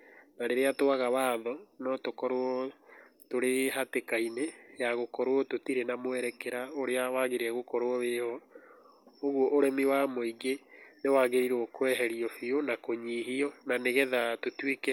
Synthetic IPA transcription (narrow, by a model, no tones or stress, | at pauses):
naɾeɾeatoaɣawaːðɔnɔtokɔɾoɔ | toɾeɦatekainejaɣokɔɾwɔtotiɾenamoɛɾɛkɛɾaoɾeawaɣeɾeɛɣokɔɾoɔβehɔ | oɣwɔʔoɾɛmiwamoiɡenewaːɣeɾiɾɔkwɛɦɛɾiɔfionakoɲiɦiɔnaneɣɛðatotwekɛ